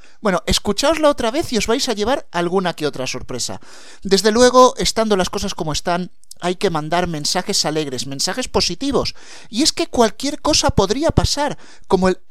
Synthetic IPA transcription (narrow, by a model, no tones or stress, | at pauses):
bwe̞no̞ʔe̞skut͡ʃaozlao̞t̪ɾaβe̞θio̞zβajsaʝe̞β̞aɾalɣunakeot̪ɾaso̞ɾpɾe̞sa̰ | d̪e̞zðe̞lwe̞ɣ̞o̞ʔe̞st̪and̪o̞lasko̞sasko̞moe̞st̪an | ajke̞mãnd̪aɾmẽ̞nsaxe̞sale̞ɣɾe̞smẽnsaxe̞spo̞sit̪iβ̞o̞s | ie̞ske̞kwalkje̞ɾko̞sapo̞ðɾiapasaɾ | ko̞moel